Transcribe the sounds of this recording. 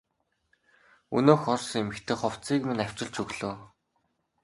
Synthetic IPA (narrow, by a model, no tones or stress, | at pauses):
ṵnoːxɔrsŋemɘ̆kt̪ʰĕːχɔw̥t͡siːkminaw̥ʲt͡ɕɪ̆ɮt͡ɕɵɣɮoː